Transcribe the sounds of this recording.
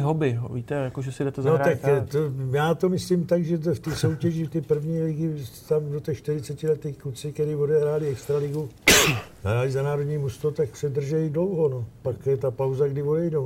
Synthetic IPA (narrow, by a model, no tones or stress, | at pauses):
ɦobɪɦviːt̪ɛjakoʒɛsɪdɛt̪ɛznaoɾat̪akt̪ojaːt̪o̞mɪsliːmt̪aɡʒɛt̪̬ft̪iso̞wcɛʒɪft̪ɛːpr̩vɲiːlɪɡɪt̪amdot̪ɛːʃt̪ɪɾɪt͡sɛcɪlɛt̪ɛːkut͡sɪk̪ɛɾiːvo̞dɛɦɾaːlɪɛkst̪ɾalɪɡu | ɦɾaːlɪzanaːɾo̞dɲiːmust̪ot̪aksɛdr̩ʒɛjdlo̞wɦo̞no̞pakjɛt̪apawzaɡdɪvo̞dɛjdow